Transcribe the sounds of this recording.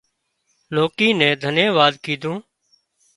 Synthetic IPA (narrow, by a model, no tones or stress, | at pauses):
loːkiːnɛ̃ːd̪ʱəneːʋaːd̪kiːd̪ʱũː